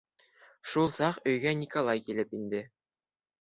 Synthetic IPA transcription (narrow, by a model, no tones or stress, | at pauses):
ʃulˠsɑqɵ̆jɡænʲikolˠɑjkilɘpind̪ɘ